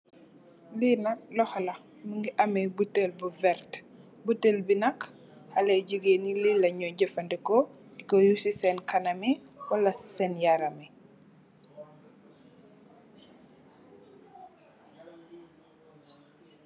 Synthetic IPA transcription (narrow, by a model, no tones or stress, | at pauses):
linɐlɔhlɐ | məŋɡiʔɐmɛbutelbuvɛɾt | butelbinɐk | hɐlɛɟəɡenililɐɲɔɟɛfɐndikɔ | dikojusisɛnkanɐmiwɐlɐsɛnjaɾɐmi